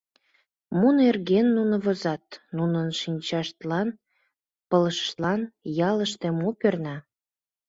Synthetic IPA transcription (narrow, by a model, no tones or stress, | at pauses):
munerɣenːunə̆βəzɑt̪nunənʃinʲt͡ɕɑʃt̪lɑn | pələʃə̥ʃt̪lɑnjɑləʃt̪emopørnɑ